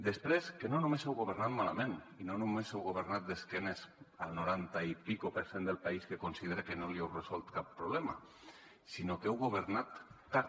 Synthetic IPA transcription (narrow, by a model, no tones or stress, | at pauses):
d̪əspɾeskenonumesɛwɣoβəɾnat̪̚mala̰mẽn | inonumezɛwɣoβ̞əɾnat̪̚d̪eskɛnezalˠnuɾant̪aipikopəɾsend̪əlˠpaiskekonsiðeɾekenoliɛwrezɔlˠt̪kapːɾuβlɛma | sinokɛwɣoβ̞əɾnat̪ː | a